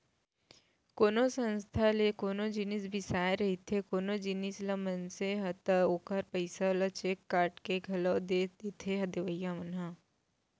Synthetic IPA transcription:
koːnosə̃nst̪ʰalekoːnod͡ʒɪnɪsbʱɪsaːeɾɐɦit̪ʰekoːnod͡ʒɪnisləmənseɦɐt̪əoːkəɾpəɪsalɐt͡ʃeːkːaːɾʈkeɡʱɐlod̪ed̪et̪ʰeɦɐd̪eʋəjamənɦa

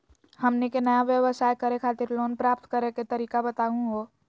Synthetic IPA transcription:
hɐmnekenəjaʋjəʋəsaːjkəɾekʰaːt̪ɪɾloːnpɾaːp̚t̪kəɾeket̪əɾiːkabət̪aːũɡo

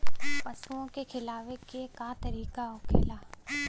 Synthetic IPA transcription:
pɐsuõkexʰɪlaːʋekekat̪ɐɾiːkaoːkḛːlaː

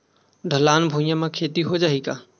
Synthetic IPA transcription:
ɖʱəlaːnbʱũːjãmãkʰeːt̪iɦod͡ʒaːiːkaː

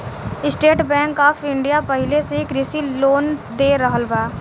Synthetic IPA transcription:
ɪsʈeːʈbɛ̃ːŋkaːfɪ̃ɳɖijapəɦɪleseɪkɾɪsiloːnd̪eːɾəɦəlbaː

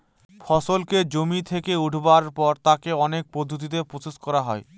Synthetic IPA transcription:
fʰɔsolked͡ʑomit̪ʰekeuʈʰbaɾpɔɾt̪akeɔnek̚pɾod̪ʱːot̪̬it̪̬epɾot͡ɕoskɔɾaɦɔe

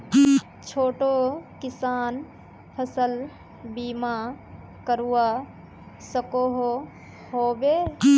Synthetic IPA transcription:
t͡ʃʰoːʈokɪsaːn | pʰəsəl | biːma | kəɾua | səkoɦo | hoːbeː

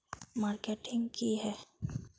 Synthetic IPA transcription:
maːɾkeʈɪ̃ŋɡkiɦɛː

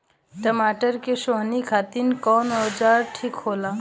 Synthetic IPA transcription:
ʈəmaːʈəɾkeʃoɦnikʰaːt̪inkɔːnɔd͡ʒaːɾʈʰikhoːlaː

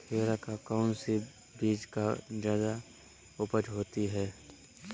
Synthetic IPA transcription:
t̪ʰeːɾakakaʊnsi | biːd͡ʒkad͡ʒjaːd̪a | ʊpəd͡ʒɦoːt̪iɦɛː

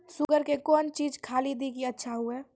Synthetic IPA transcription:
sʊɡəɾkekɔːnt͡ʃiːd͡ʒkʰaːlid̪ikiɐtːʃʰaɦuɛː

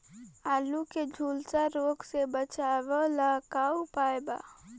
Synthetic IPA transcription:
aːluked͡ʒʱuːlsaɾoːksebət͡ʃaːʋəlakaːupaːjba̰

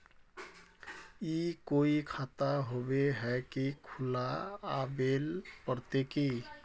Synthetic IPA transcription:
ikoikʰat̪aɦobeɦɛkikʰulaabelpəɾt̪eki

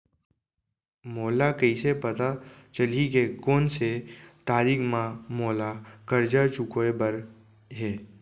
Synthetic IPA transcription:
moːlakəisepət̪at͡ʃəlikekoːnset̪aːɾiːkmãmoːlakəɾd͡ʒat͡ʃʊkoebəɾ | ɦeː

